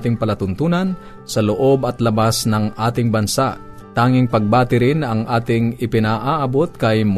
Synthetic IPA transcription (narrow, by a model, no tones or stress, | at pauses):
t̪ɪŋpɐlɐt̪ʊnt̪uːnɐn | sɐloʔo̞bɐt̪lɐbasnɐŋʔaːt̪ɪŋbɐnsaʔ | t̪aːŋɪŋpɐɡ̚baːt̪ɪɾɪnɐŋʔaːt̪ɪŋɪpɪnaʔaːʔɐbot̪̚kɐjm